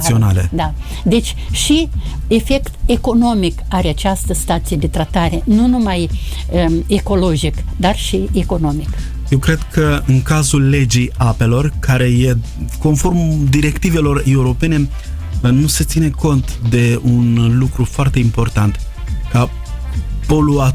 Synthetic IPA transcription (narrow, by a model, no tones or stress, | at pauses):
sio̞nale̞̰d̪a | d̪e̞t͡ʃʲʃi | e̞fe̞kt̪e̞ko̞no̞mikaɾeat͡ʃast̪əst̪at̪sijed̪e̞t̪ɾat̪aɾe̞nunumaj | əeko̞lo̞d͡ʒikd̪arʃieko̞no̞mik | je̞wkɾe̞d̪kʰəɨŋkazulːe̞d͡ʒijape̞lo̞rkʰaɾe̞je | ko̞nfo̞rmd̪iɾe̞kt̪ive̞lo̞re̞uɾo̞pe̞ne̞ | nuse̞t̪sineko̞nt̪d̪e̞unlukɾufoart̪e̞impo̞rt̪ant̪ | ka | polua